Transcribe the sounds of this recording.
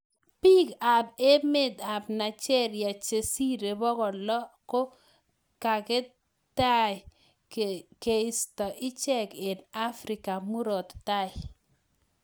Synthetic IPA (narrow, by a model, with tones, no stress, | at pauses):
pi˦ka˨be˦me˦d̪a˨bna˨t͡ʃɛ˦ɾja˨t͡ʃe˨si˦ɾe˨bɔ˦kɔ˨lɔ˦ko˦ | ka˨ke˦ | ta˦ɪ˨ | ke˨i˦stɔ˨ʔɪ˦t͡ʃɛ˦ke˨na˦fɾi˨ka˨mu˦ɾo˨t̪ta˦j